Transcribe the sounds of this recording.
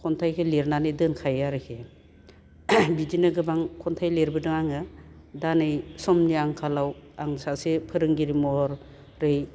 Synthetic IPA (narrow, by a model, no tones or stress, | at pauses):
kʰɔntʰajkʰɯleɾnanɯjdɯnkʰajaɾɯkʰe | bidinɯɡɯbaŋkʰɔntʰajleɾbɯdɯŋaŋɯ | danɯjsɔmniaŋkʰalawaŋsasepʰɯɾɯŋɡiɾimɔhɔɾ | ɾɯj